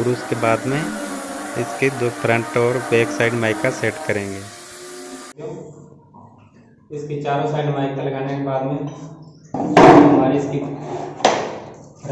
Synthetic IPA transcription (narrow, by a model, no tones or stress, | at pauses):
pʊɾuskebaːd̪mẽ | ɪsked̪oːpʰɾə̃ɳʈɔːɾʋeːksaːɪɖmaːikaseːʈkəɾẽːŋɡeː | ɪskit͡ʃaːɾõsaːɪɖmaːɪkalɐɡaːnekebaːd̪mẽ | maːɾiɪski